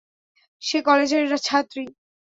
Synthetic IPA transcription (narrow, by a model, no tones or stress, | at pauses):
ʃekɔled͡ʑeɾːat͡ɕʰat̪ːɾi